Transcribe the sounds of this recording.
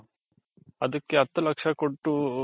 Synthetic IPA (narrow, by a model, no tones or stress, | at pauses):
ɐd̪ɐkːeɐt̪ːɐlɐkʂɐkoʈːu